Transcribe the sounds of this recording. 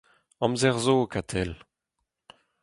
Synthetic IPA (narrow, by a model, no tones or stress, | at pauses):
ɑ̃mzɛʁzokat̪ʰɛl